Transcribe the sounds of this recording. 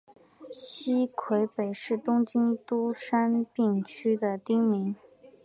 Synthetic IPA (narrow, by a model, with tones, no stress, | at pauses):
ɕi˥kʰwe˧˥ɪpe˨˩ɪʂɻ̩˥˩t̪ʊ˥ŋt͡ɕi˥nt̪u˥ʂa˥npi˥˩ŋt͡ɕʰy˥d̪ə˨t̪i˥ŋmi˧˥ŋ